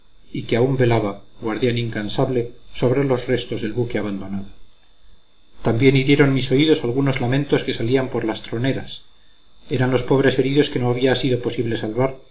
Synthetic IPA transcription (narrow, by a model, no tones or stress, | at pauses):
ikeaumbe̞laβaɡwaɾðjaniŋkansaβle̞so̞βɾe̞lo̞zre̞st̪o̞zðe̞lβukeaβand̪o̞naðo | t̪ambje̞niɾje̞ɾo̞nmiso̞iðo̞salɣ̞uno̞zlamẽ̞nt̪o̞ske̞saliampo̞ɾlast̪ɾo̞ne̞ɾas | e̞ɾanlo̞spo̞βɾe̞se̞ɾiðo̞ske̞no̞aβ̞iasiðo̞po̞siβle̞salβaɾ